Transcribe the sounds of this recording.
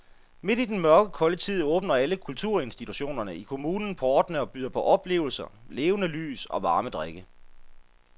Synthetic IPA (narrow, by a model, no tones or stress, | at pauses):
me̝d̥id̥enmɶɐɡ̥əkʰɒ̽lət͡sʰið̞̰ˠɔ̽ːb̥nɐæləkʰult͡sʰuɐ̰e̝nsd̥it͡sʰuɕo̝̰ːnɐnəikʰo̝muːnn̩pʰɒːd̥nəɒ̽b̥yð̰ˠɐpʰɒ̽ʔɒ̽b̥le̝̰ːʊl̩sɐle̝ːʊnəly̰ːsɒ̽ʋɑ̈ːməd̥ʁaɡ̥ə